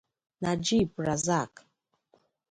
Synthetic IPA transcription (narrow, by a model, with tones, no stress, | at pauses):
na˨d͡ʒi˦˨pɾa˨za˦˨k